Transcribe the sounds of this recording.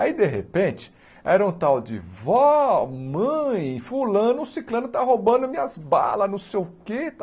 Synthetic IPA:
aid̪eɦḛpẽt͡ʃɪ̥ | ɛɾɐũt̪awd͡ʒɪ̰vɔmɐ̃j̃fulɐ̃nʊːsiklɐ̃nʊt̪aɦobɐ̃d̪ʊmĩɲɐzba̰lɐznʊsewket̪

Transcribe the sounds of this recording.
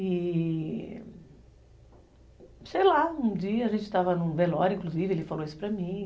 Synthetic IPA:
i | sejlaũd͡ʒiɐɐʒẽnt͡ʃɪt̪avɐnʊ̃velɔɾĩkluzivɪelɪfaloisʊ̥pɾɐmĩ

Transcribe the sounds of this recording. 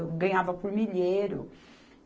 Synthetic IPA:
ɡɐ̃ɲavɐpʊɾmiʎeɾʊ̰

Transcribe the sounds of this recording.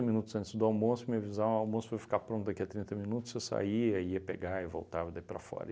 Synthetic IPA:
ɐmĩnut̪ʊzɐ̃nt͡ʃ̪ɪzd̪ʊawmõsʊmĩɐvizãawmõsʊvajfi̥kapɾõnt̪ʊd̪akiɐt̪ɾĩnt̪ɐmĩnut̪ʊ̥sesa̰iɐiɐpeɡaɪvo̰wt̪avɐd̪aipɾɐ̰fɔ̰ɾɐ̰

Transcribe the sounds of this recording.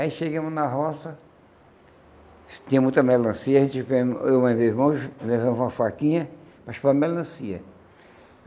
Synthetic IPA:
ɐiʃeɡɐ̃mʊnɐɦɔsɐ | t̪ĩɐmũj̃t̪ɐmɛllɐ̃siɐẽt̪ɪvẽewũmɐ̃vezmɐ̃wʃlevɐ̃mʊzũmɐfakĩɲɐpɾɐʃpãmɛllɐ̃siɐ̰

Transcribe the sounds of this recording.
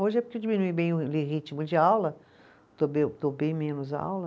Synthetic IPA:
oʒɪɛpʊɾked͡ʒimĩnuibẽj̃ʊleʒit͡ʃimʊd͡ʒɪawlɐ | d̪̥obed̪obẽj̃mẽnʊza̰wlɐ

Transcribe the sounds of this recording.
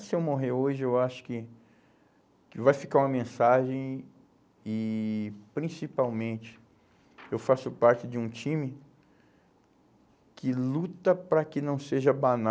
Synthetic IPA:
sɪewmoɦeɾoʒɪewaʃʊ̥kɪ | kɪvajfikaɾũɐmẽsaʒẽj̃ | ɪ | pɾĩsipawmẽnt͡ʃɪ̥ | ewfasʊpaɾt͡ʃɪd͡ʒɪũt͡ʃĩmɪ | kɪlut̪ɐpɾɐkɪnɐ̃w̃seʒɐbana

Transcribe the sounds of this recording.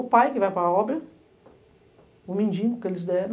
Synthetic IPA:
ʊpajkɪvajpɾɐɔbɾɐ | ʊmĩnd͡ʒĩʊkelɪs̬d̪ɛ̃

